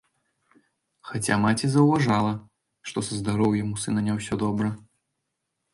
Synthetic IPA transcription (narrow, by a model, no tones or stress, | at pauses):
xat͡sʲa̰mat͡sʲizɐwvaʐalˠɐ | ʂt̪ɔsɐzd̪aɾɔwjamusɨnɐnʲɛwsʲɔd̪ɔbɾɐ